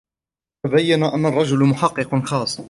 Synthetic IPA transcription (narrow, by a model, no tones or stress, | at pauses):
abajːanaʔanːarˤːɑd͡ʒʊlmʊħɑqːɨqnxɑːsˤ